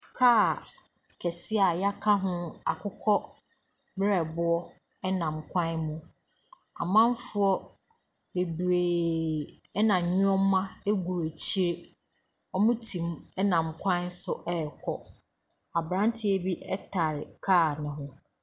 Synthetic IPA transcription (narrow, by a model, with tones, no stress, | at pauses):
kʰaː˦˨ | kʰɛ˨sɪ˦a˨ja˦kʰa˦ɦʊ̃˦a̰˨kʰʊ˦kʰɔ˦ | bɾɛ˨bʊ˦ɔ˦ | ɛ˦nã˨mkʷʰã˦nmũ˨ | a̰˨mã˦m˦fʊ˦ɔ˦ | be˨bɾeː˨ | ɛ˦nã˨ɲʊ̃˦ɔ̃˦mã˦e˦ɡu˨ɾe˨t͡ɕʰi˦ɾe˦ | ɔ˦mʊ̃˦tʰĩ˨mɛ˦nã˨mkʷʰã˦n˦sʊ˦ʔɛ˦˨kʰɔ˦ | a˨bɾã˦n˦tʰɪ˦e˨bi˦ʔɛ˦tʰa˨ɾɪ˨kʰaː˦˨nɪ̃˨ɦʊ̃˦